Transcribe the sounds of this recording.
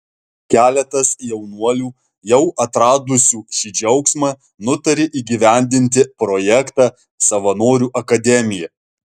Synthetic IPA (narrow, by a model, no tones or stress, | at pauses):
kʲæːlʲɛt̪ɐsjɛʊnuɔlʲuː | jɛʊʔɐt̪ɾɑːd̪ʊsʲuːʃʲiːd͡ʒʲɛʊksmɑː | nʊt̪ɐɾʲɪʔiːɡʲiʋʲæˑnʲd̪ʲɪnʲt̪ʲɪpɾɔjɛkt̪ɑː | sɐʋɐnoːɾʲuːʔɐkɐd̪ʲɛmʲɪjɛ